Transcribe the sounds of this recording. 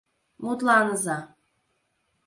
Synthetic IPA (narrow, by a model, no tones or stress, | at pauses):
mut̪lˠɑnɤzɑ